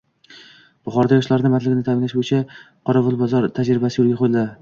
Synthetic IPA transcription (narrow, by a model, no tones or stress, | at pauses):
b̥ʊχɒɾd̪ajɒʃlaɾnɪmat̪lɪɡʲɪnɪt̪amɪnlaʃbojɪt͡ʃʰa | qʰɒɾavʊlˠbɒzɒɾt̪ʰad͡ʒɾɪbasɪjolɡʲaqʰolla